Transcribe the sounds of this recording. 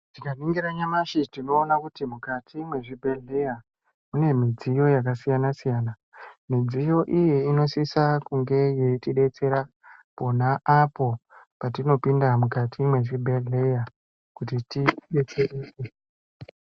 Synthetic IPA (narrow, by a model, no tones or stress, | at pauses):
tikaniŋɡiɾaɲamaʃitino̞ːnakutimukatʰimwe̞ʐibʱeɮe̞ja | mune̞mid͡zijo̞jakasijanasijaːna | mid͡zijo̞ʔijeino̞sisakuŋɡe̞je̞itiɗe̞t͡seɾa | po̞naʔapo̞pat̬ino̞pindamukatʰimwe̞ʐibʱe̞ɮe̞ja | kutitiɗe̞t͡seʔiːse